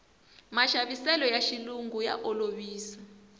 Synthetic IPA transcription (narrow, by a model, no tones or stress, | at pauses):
maʃaɓisɛlɔjaʃiluŋɡuja̰ʔɔloɓiːsḁ